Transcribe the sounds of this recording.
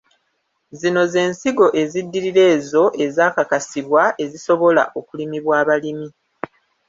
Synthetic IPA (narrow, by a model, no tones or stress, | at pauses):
zino̞ze̞ːnsiɡo̞ʔe̞zidːiɾiɾe̞ːzo̞ʔe̞zaːkakasiβwaʔe̞ziso̞βo̞la̰ʔo̞kulimiβwaːβalimi